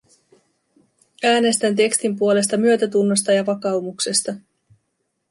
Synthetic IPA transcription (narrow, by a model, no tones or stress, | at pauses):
æːne̞st̪ænt̪̬e̞kst̪impuo̞le̞st̪ɑmyø̞t̪æt̪unːo̞st̪ɑjɑʋɑkɑumukse̞st̪ɑ